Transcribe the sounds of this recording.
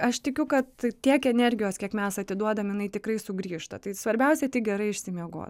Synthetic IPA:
ɐʃt̪ʲɪkʲʊkɐt̪tʲiɛkɛnʲɛrʲɡʲɪjoːskʲiɛkmʲɛsɐt̪ʲɪd̪uɔd̪ɐmjɪnɐɪt̪ʲɪkrɐɪsʊɡɾʲiːʃt̪ɐ̰t̪ɐɪsʋɐɾʲbʲɛʊsʲɛt̪ʲɪɡʲɛɾɐɪɪʃʲsʲɪmʲiɛɡo̰ːt̪

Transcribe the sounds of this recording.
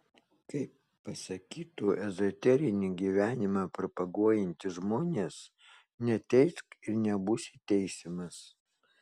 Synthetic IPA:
kɐɪpːɐsɐkʲiːt̪uːʔɛzɔt̪ʲɛɾʲɪnʲiɡʲiːʋʲæːnʲɪmɑːpʲɾɪpɐɡuɔjɪnʲt̪ʲɪʒmoːnʲeːs | nʲɛt̪ʲɛɪskɪɾnʲɛbuːsʲɪt̪ʲɛɪsʲɪmɐs

